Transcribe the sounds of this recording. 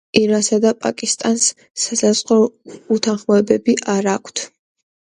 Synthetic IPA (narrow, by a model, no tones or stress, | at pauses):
iɾansad̪apʼa̰kʼist̪ʼansː | asazqʼɔut̪ʰanχmɔɛbɛbiʔaɾakʷʰt̪ʰ